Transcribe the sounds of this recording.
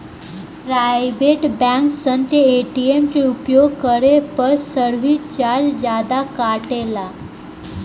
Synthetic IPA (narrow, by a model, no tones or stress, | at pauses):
pɾajbeʈbæ̃ŋksənt̪ɾeeʈiemt͡ɕeupjoɡkəɾepəɾsəɾʋit͡ɕaɾd͡zd͡ʑad̪akaʈela